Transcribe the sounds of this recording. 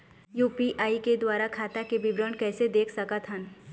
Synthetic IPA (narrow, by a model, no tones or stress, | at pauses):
juːpiʔaːiked̪waːɾakʰaːt̪akebɪbɾəɳkɛːsed̪eːkʰsɐkət̪ɦən